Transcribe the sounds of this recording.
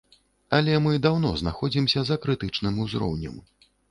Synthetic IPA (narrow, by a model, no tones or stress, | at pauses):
ɐlʲɛmɨd̪awnɔznaxɔd͡zʲimsʲɐzɐkɾɨt̪ɨt͡ʂnɨmuzɾɔ̰wnʲɛ̰m